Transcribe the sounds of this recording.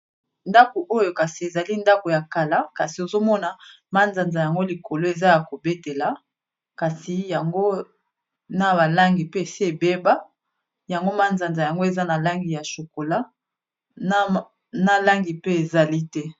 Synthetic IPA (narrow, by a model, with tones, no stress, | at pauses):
nda˦ko˨ʔo˦jo˨ka˨si˨e˨za˨li˦nda˦ko˨ja˨ka˨la˦ka˨si˨o˨zo˦mɔ˦na˨ | ma˦nza˨nza˨ja˨ŋɡo˦li˨ko˨lo˦e˨za˦ja˨ko˨be˦te˨la˨ | ka˨si˨ja˨ŋɡo˦ | na˨ba˨la˦ŋɡi˨pe˦e˨se˦e˨be˦ba˦ | ja˨ŋɡo˦ma˦nza˨nza˨ja˨ŋɡo˦e˨za˦na˨la˦ŋɡi˨ja˨ʃo˨ko˨la˦ | a˦ | na˨la˦ŋɡi˨pe˦e˨za˨li˦tɛ˦